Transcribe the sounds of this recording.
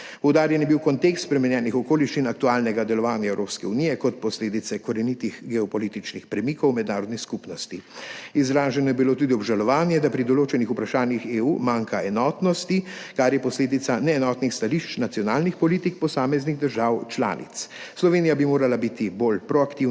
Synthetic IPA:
pɔwd̪aːɾjɛnɛbiwkɔnt̪ekst̪spɾɛmɛnjɛːnixɔkoːliʃt͡ʃinak̚t̪uaːlnɛɡad̪ɛlɔʋaːnjaɛwɾoːpskɛunijɛkɔt̪̚pɔsleːd̪it̪sɛkɔɾɛnit̪ixɡɛɔpɔliːt̪it͡ʃnixpɾɛmikɔwmɛd̪naːɾɔd̪niskupnɔst̪iizɾaːʒɛnɔjɛbiloːt̪uːd̪iɔbʒalɔʋaːnjɛd̪apɾid̪ɔloːt͡ʃɛnixupɾaʃaːnjixeːuːmaːŋkaɛnɔːt̪nɔst̪ikaɾjɛpɔsleːd̪it̪sanɛːnɔːt̪nixst̪aliʃt͡ʃnat̪sijɔnaːlnixpɔliːt̪ikpɔsaːmɛzniɣd̪əɾʒaːwt͡ʃla̰ːnḭt̪sslɔʋeːnijabimoːɾalabit̪iboːlpɾɔakt̪iw

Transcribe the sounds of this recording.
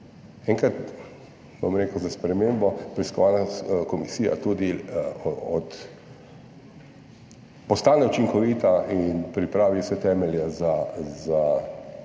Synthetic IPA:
ɛ̃ŋkɾat̪ | bo̰mɾeːkʊzaspɾɛmeːmbɔpɾiskɔʋaːnakɔmisiːja̰t̪ud̪i | ɔt̪ | pɔst̪aːnɛut͡ʃiŋkɔʋiːt̪aʔinpɾipɾaːʋiwsɛt̪ɛːmɛljɛzaza

